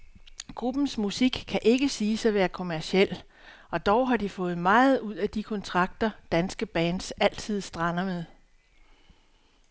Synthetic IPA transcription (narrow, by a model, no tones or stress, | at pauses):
ɡ̥ʁub̥n̩smusiɡ̥kʰæʔe̝ɡ̥əsiːsæʋæːɐkʰo̝mæɐsiel̰ | ɒ̽d̥ɒʊɦɑ̈d̥ifɔ̽ːð̞̩ˠmɑ̈ːð̞̩ˠuð̞̰ˠæd̥ikʰɒ̽nt͡sʰʁɑ̈ɡ̥̚d̥ɐd̥ænsɡ̥əb̥æːnd̥sæl̰t͡sʰið̞̰ˠsd̥ʁɑnɐmeðˠ